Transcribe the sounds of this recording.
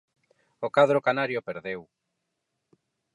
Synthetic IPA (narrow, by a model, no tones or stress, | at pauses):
okaðɾokanaɾjopeɾðew